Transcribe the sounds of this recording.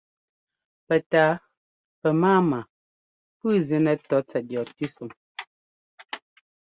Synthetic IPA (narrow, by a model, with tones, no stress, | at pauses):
pɛ˨taː˨˦ | pɛ˨maː˦ma˨ | pɨ˦zi˨˦nɛ˨˦tɔ˨˦t͡sɛ˨t̚jɔ˨tʉ˦su˨m